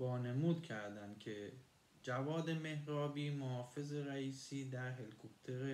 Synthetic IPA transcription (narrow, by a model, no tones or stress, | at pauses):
bɒːne̞muːd̪cʰæɾd̪æmcʰe | d͡ʒævɒːd̪e̞me̞hɾɒːbiːmohɒːfe̞zeɾæiːsiːd̪æɾɦelikʰop̚t̪ʰeɾe